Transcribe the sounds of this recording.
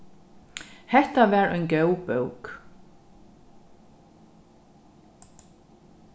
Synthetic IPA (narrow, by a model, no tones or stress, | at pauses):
hɛht̪avɛːɾœʏjnkœwpœwk